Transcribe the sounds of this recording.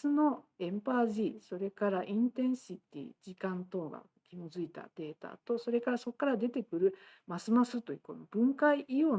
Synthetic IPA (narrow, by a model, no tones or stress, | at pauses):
sɨno̞ẽ̞mpaːʑiso̞ɾe̞kaɾaʔĩnt̪ẽ̞ɰ̃ɕit̪ʲḭːd͡ʑikãnt̪o̞ːɡa̰ | kʲimozɨit̪a̰d̪̥e̞ːt̪a̰t̪o̞so̞ɾe̞kaɾaso̞kːaɾad̪e̞t̪e̞kɯ̟ɾɯ̟ | masɨmasɨt̪ːo̞jɯ̟ːko̞̰no̞bɯ̟̃ŋkaiʔijo̞ː